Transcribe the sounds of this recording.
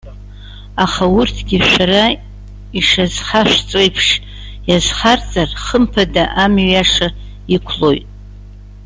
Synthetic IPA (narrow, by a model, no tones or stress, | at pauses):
aχaurtʰɡʲiʃʷᶣara | iʂazχaʃᶣʷt͡sʷʼejpʰʂ | jazχart͡sʼarχəmpʰadaʔamɥaʂa | ikʷʰlo̞jtʼ